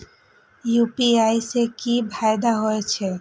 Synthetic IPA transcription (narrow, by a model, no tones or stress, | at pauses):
jupiajsekibʱaed̪aɦoet͡ɕʰe